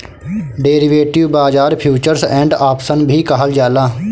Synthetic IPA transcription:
ɖeːɾɪʋeːʈɪʋbaːd͡ʒaːɾpʰjuːt͡ʃəɾsɛ̃ːɳɖaːpsənbʱiːkaɦəld͡ʒaːlaː

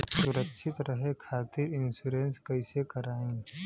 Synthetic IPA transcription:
sʊɾəkːʃʰɪt̪ɾɐɦekʰaːt̪iɾɪnsuɾenskɐɪsekɐɾaːẽŋ

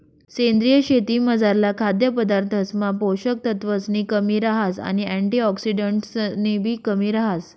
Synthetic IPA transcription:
send̪ɾijəɕet̪iːməd͡zaɾlakʰad̪jəpəd̪aɾt̪ʰəsmapoɕək̚t̪ət̪ʋəsniːkəmiːɾaɦasa̰ñiæ̃ɳʈiːɔksiɖəɳʈsnibʱiːkəmiːɾaɦas

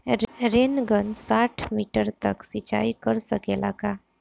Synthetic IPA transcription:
ɾeːnɡənsaːʈʰmiːʈəɾt̪əksit͡ʃa̰ːikəɾsəkeːla̰kaː

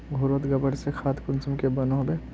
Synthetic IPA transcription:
ɡʱʊɾət̪ɡɐbəɽsexʰaːt̪kʊnsʊmkebɐnoɦbe

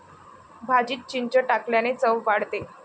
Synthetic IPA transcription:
bʱad͡ʑiːt̪̚t͡ɕiɲt͡ɕəʈakljanet͡səʋʋaɽt̪e

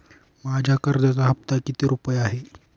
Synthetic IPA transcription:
mad͡ʑʱakəɾd̪at͡saɦəp̚t̪akit̪iːɾupəjaɦe

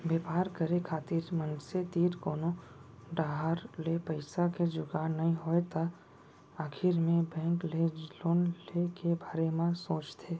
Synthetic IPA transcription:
beːpaːɾkəɾekʰaːt̪ɪɾmənset̪iːɾkoːnõɖaːɦaːɾlepəɪsaked͡ʒʊɡaːnɐɦĩɦoːet̪a | aːkʰɪɾmẽbɛ̃ːŋkleloːnlekebʱaːɾemãsoːt͡ʃt̪ʰeː

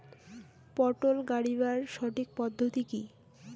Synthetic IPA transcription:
pɔʈolɡaɽiβaɾʃɔʈik̚pɔd̪ʱːot̪iki

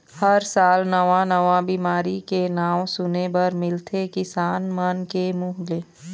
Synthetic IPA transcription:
həɾsaːlnəʋãnəʋãbiːmaːɾikenaːwsʊnebəɾmɪlt̪ʰekɪsaːnmənkemuːɦleː

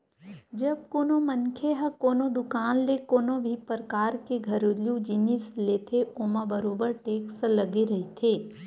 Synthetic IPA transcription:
d͡ʒɐb̚koːnomənkʰeɦɐkoːnod̪ʊkaːnlekoːnõbʱipɾəkaːɾkeɡʱɐɾoljũd͡ʒinislet̪ʰeʔoːmãbəɾoːbəɾʈeːkslɐɡeɾɐɦit̪ʰeː

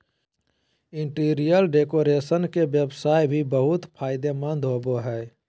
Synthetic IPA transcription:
ɪ̃ɳʈiːɾijəlɖeːkoːɾeːsənkeʋjəbsaːjbʱibəɦʊt̪pʰaːɪd̪emə̃nd̪ɦoːboɦɛː

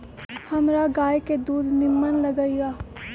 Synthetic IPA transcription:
hɐmɾaɡaːjked̪uːd̪ʱnɪmːənlɐɡəijaː

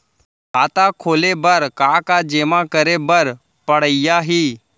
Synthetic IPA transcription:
kaːt̪akʰoːlebəɾkakad͡ʒeːmãkəɾebəɾ | pəɽ̤əɪjaɦiː

